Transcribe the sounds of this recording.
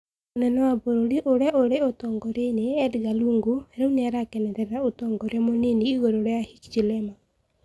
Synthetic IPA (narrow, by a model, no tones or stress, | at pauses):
onɛnɔwaboɾoɾiʔoɾjaʔoɾeotɔŋɡɔɾeneɛdɣaluŋɡoɛɾɛuneaɾakɛnɛɾɛɾɾaotɔŋɡɔɾamoniniɣoɾoɾeahit͡ʃit͡ʃilɛma